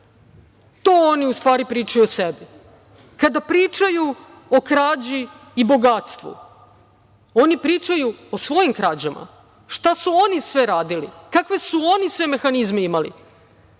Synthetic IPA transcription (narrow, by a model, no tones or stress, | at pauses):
t̪oːoniust̪ʋaːɾipɾiːt͡ʃajuosebi | kad̪apɾiːt͡ʃaju | okɾaːd͡ʑiː | bo̞ɡat̪st̪ʋṵ | onipɾiːt͡ʂajuosʋo̞jimkɾad͡ʑama̰ | ʃt̪asuonisʋeɾaːd̪ilḭkakʋe̞suo̞nisʋe̞me̞xanizmeimalḭ